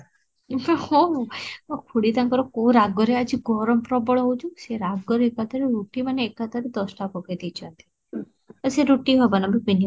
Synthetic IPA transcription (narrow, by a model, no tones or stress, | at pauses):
ɔɔkʰuɽit̪ãŋkɔɾɔkouɾaɡɔɾead͡ʒiɡʱɔɾɔmpɾɔbɔɭɦowt͡ʃʰũseɾaɡɔɾeekat̪aɾeɾuʈimaneːkat̪aɾid̪ɔsʈakɔkejd̪it͡ʃʰãnt̪i̥ | aseɾuʈiɦɔbanabibini